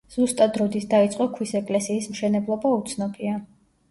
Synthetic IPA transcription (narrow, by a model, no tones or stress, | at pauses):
z̥ust̪ʼad̪ɾɔd̪it̪ʰd̪ait̪sʼqʼɔkʰwisɛkʼlɛsiːsmʃɛnɛblˠɔbaut̪sʰnɔbʼia